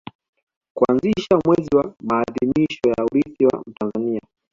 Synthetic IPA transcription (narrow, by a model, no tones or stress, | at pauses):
kuanziʃamwɛziwamaːðimiʃɔjauɾiθiwa̰m̩tanzania